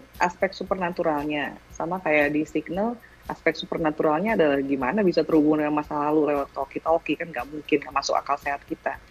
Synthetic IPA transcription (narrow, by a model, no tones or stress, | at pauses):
ʔaspɛk̚t̪supərnat̪uɾalɲasamakajaʔdisiknəl | ʔaspɛk̚t̪supərnat̪uɾalɲaːdalahɡimanabisat̪ərhubuŋndəkanmasalalulewat̪okit̪okikanŋɡaʔmuŋkɪnɡamasʊka̰kalseɦat̪̚kit̪a